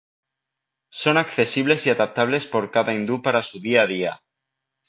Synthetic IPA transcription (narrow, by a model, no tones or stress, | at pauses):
so̞nakθe̞siβ̞le̞siaðap̚t̪aβ̞le̞spo̞ɾkaðaind̪upaɾasuðiað̞ia